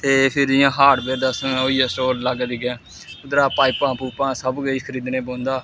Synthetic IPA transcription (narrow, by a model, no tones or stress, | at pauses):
t̪eːpʰɪɾɪjãːɦaːɖbeːɾd̪asoːiːaːsʈoːlləɡdiːɡãː | ʊd̪ɾaːpaːipãːpuːpãːsəbɡəikʰəɾiːd̪nẽːboːnd̪aː